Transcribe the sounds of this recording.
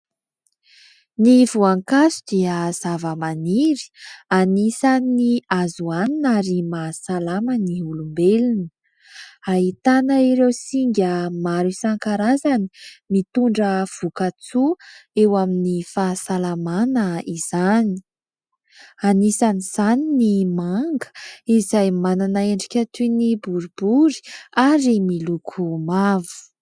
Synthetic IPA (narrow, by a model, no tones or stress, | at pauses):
nivuaŋkasud̪iəz̥avəmaniɾi̥anisaniazuaninaɾimasalaməniulumbelinə | aɦit̪anəiɾewsiŋɡʲəmaɾusaŋkaɾazani̥mit̪uɳɖ͡ʐəv̥ukat͡suewaminifasalamanəiz̥ani̥ | anisaniz̥aninimaŋɡə̥izajmananaeɳɖ͡ʐikʲat̪unibuɾubuɾi̥aɾimilukʰumavu̥